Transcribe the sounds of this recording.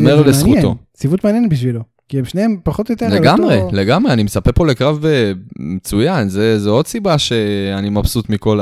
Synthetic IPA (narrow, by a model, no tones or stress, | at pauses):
meʁlesχut̪o̞̰ | t͡sivut̪meanjenetbiʃ̬vilo | kiemʃneempaχot̪jot̪eleɡamʁeleɡamʁeanimet͡sapepo̞le̞kʁavemet͡sujanzezeo̞d̪sibaʃe̞animapsut̪miko̞l